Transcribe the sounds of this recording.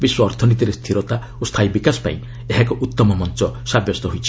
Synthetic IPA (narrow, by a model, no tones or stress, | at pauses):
biswɔːɾt̪ʰɔnit̪̬iɾest̪ʰiɾɔt̪a | ost̪ʰajbikasɔ̥pã̰ĩ | eɦakɔʔut̪ːɔmɔmɔnt͡ʃɔsabjɔst̪ɔɦojt͡ʃʰi̥